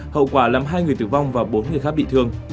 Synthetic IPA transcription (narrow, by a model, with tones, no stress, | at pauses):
hə̰˧˨wkwaː˧˩laː˨˩mɦaː˧jŋɨ˨˩əjt̪ɨ˧˩va˧wŋ͡mvaː˨˩wɓo˨˦nŋɨ˨˩əjxa˦˥k̚ɓḭ˧˨t̪ʰɨ˧əŋ